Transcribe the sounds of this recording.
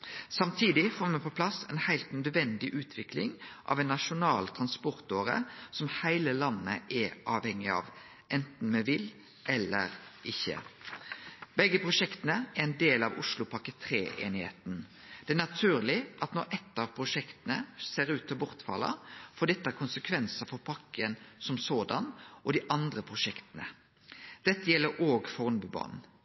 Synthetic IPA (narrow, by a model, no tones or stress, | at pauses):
sɑmt̪ʰiːd̪ɪfoːɾmɛpʰɔpʰlɑsɛ̰nhæɪlt̪nœd̪ʋɛnd̪ɪʔʉːt̪ʰʋɪkʰlɪŋʔɑ̰ʋɛnːɑʂʊnɑːlt̪ʰʁɑnspɔɾt̪oːɾə̰sɔmhæɪləlɑnːə̰ʔɛʔɑːʋhɛŋːɪɑ̰ːʋ | ʔɛnt̪n̩mɛʋɪl | ʔɛlːə̰ɾʔɪçːə̰ | bɛɡːəpʰʁʊʂɛkt̪ənəɛɾɛnd̪eːlɑʋʊ̰ʂlʊpʰɑkət̪ʰɾeːʔḛːnɪhḛːt̪n | d̪̥ɛænɑt̪ʰʉːʁlɪʔɑt̪nɔɾʔɛt̪ːɑʋpʰʁʊʂɛkt̪ənəseːɾʉːt̪ʰɔbʊʁt̪fɑ̰lːə̰fɔd̪ɛt̪ːəæɾkʰʊnsəkʰʋɛnsəfɔpʰɑkːənsɔmsoːd̪ɑnʔɔd̪ɪʔɑnd̪ʁəpʰʁʊʂɛkt̪ənə | d̪̥ɛt̪ːəjɛlːəɾʔoːɡfɔʁnbʉbɑ̰ːnn